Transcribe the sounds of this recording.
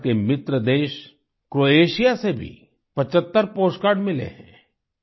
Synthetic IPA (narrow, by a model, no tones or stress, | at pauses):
kemɪt̪ɾəd̪eːʃ | kɾoːeːʃijasebʱḭ | pɐt͡ʃət̪ːəɾpoːskaːɾɖmɪlḛɦɛ̰̃ː